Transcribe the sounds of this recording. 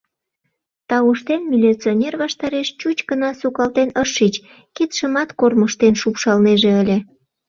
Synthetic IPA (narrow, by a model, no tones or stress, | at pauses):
t̪ɑuʃt̪enmʲilʲit͡sionʲerβɑʃt̪ɑɾeʃt͡ɕut͡ɕɡənɑsukɑlt̪enəʃːit͡ɕ | kit̪ʃəmɑt̪korməʃt̪enʃupʃɑlneʒeəlʲe